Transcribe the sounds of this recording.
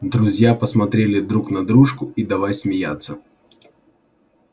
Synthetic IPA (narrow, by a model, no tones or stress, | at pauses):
d̪ɾʊzʲjapəsmɐt̪ɾʲelʲɪd̪ɾuknɐd̪ɾuʂkʊid̪ɐvajsʲmʲɪja̰t̪sːə